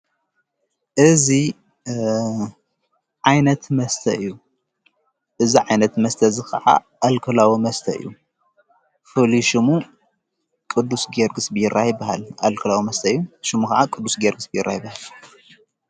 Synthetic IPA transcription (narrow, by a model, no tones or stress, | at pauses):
ʔɨzi | ʕajnɐt̪mɐst̪ʰɐɨjːu | ʔɨziʕajnɐt̪mɐst̪ʰɐzɨkʰɐ̰ʕa̰ʔalkʰɐlawimɐst̪ʰɐ̰ɨ̰jːu | fɨliʃɨmu | kʼɨd̪ːusɡeɾɡɨsbɨjɪrːahjɪbːɐɦalʔa̰lkʰɐlawimɐst̪ʰɐɨjːuʃɨmukɐʕakʼɨd̪ːusɡeɾɡɨsbɨjɪrːahjɪbahal